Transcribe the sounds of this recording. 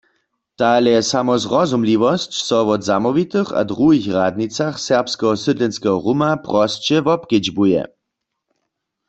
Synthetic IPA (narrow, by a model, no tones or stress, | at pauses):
t̪alɛsamɔzʁɔzumliʋɔst͡ɕsɔʋɔd̪zamɔʋit̪ɨxa̰d̪ʁuɦixʁad̪̚nit͡saxsɛʁpskɛɦɔsɨd̪lɛnskɛɦɔʁumapʁɔst͡ɕɛvɔpked͡ʒbujɛ̰